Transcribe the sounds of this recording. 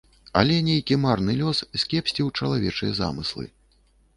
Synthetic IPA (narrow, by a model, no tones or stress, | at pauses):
ɐ̰lʲɛnʲejkʲimarnɨlʲɔssʲkʲɛpsʲt͡sʲiwt͡ʂɐlˠavʲɛt͡ʂɨjɛza̰mɨslˠɨ̰